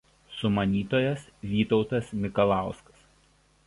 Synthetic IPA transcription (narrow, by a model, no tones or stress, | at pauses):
sʊmɐnʲiːt̪oːjɛsʋʲiːt̪ɒʊt̪ɐsmʲɪkɐlˠɑˑʊskɐ̥s